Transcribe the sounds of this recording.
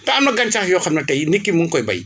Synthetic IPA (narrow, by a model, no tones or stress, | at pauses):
taːmnaɡant͡ʃahɯjɔkʰamnatajnikimuŋkojba̰j